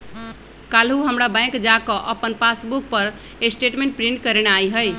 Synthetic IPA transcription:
kalɦuɦəmɾabãj̃kd͡ʒakəʔəpənpasbuk̚pəɾ | esʈeʈmẽɳʈ̚pɾiɳʈkəɾenajɦəj

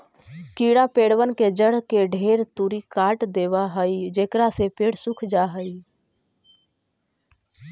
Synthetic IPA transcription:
kiɽapeɽʋənked͡ʒəɽkeɖʱeɾt̪uɾikaʈd̪eːwaɦəid͡ʒekɾasepeːɽsukʰd͡ʒaɦəi

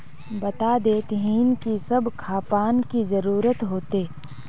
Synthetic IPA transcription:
bɐt̪ad̪eːt̪ɦiːnkisɐbkʰaːpaːnkizɐɾuːɾət̪ɦoːt̪eː

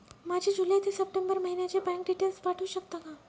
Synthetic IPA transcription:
mad͡ʑʱed͡ʑuləjt̪ʰesəp̚ʈembəɾməɦinjet͡ɕebɛ̃ŋk̚ɖiʈelspaʈʰuːɕək̚t̪akã

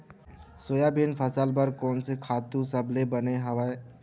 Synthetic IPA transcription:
soːjabinpʰəsəlbəɾkɔːnsekʰaːt̪usɐblebɐneɦɐʋae

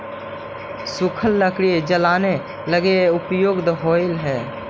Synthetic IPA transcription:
sʊkʰəlːəkɽied͡ʒəlaːne | ləɡeʊpjoːɡd̪ɦoːɪlɦɛː

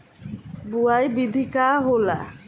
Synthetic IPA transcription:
buajbid̪ʱikaɦola̰

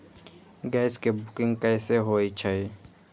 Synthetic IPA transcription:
ɡɛːskebʊkɪ̃ŋɡkɛːseɦoːit͡ʃʰai

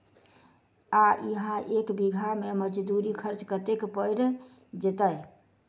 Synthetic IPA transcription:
aʔiɦãʔekbiɡʱameməd͡ʒd̪uɾikʰəɾt͡ʃkət̪ekpəɪɾ | d͡ʒet̪əj

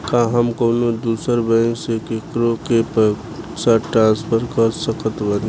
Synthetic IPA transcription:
kaɦəmkoːnod̪uːsəɾbə̃ːsekekɾokep | saʈɾãːspʰəɾkəɾsəkət̪bəd̪

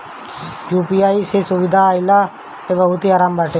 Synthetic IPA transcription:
juːpiːaːiːsesʊʋɪd̪ʱaːɪlaː | eːbəɦʊt̪iaːɾaːmbaːʈe

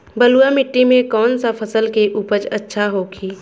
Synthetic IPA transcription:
bəluamɪʈːimẽkɔːnsapʰəsəlkeʔuːpəd͡ʒətːʃʰaɦokʰiː

